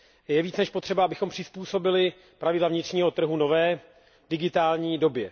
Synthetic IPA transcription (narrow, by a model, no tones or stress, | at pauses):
jɛviːt͡snɛʃpot̪r̥ɛbaʔabɪxo̞mpr̝̥ɪspuːso̞bɪlɪ | pɾavɪdlavɲɪt̪r̥ɲiːɦo̞t̪r̩ɦuno̞vɛː | dɪɡɪt̪aːlɲiːdo̞bjɛ